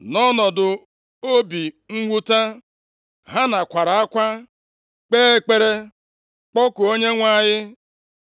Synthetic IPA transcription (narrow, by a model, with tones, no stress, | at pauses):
nɔ˦nɔ˨dʊ˨ | o˦bi˨ | ŋ̩˦ɡʷu˦ta˦ | ɦa˦na˨kʷa˨ɾa˨a˦kʷa˦ | k͡peː˦e˦k͡pe˦ɾe˦ | k͡pɔ˦kʊ˨o˦ɲe˦ŋʷa˦˨jɪ˦